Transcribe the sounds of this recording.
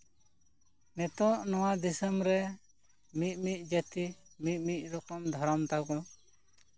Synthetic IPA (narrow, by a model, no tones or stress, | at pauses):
nɛt̪ɔʔnɔwad̪isəmɾɛ | mit̪̚ˀmic̚ˀd͡ʒət̪imit̪̚ˀmic̪̚ˀɾɔkɔmd̪ʱɔɾɔmt̪akɔ̃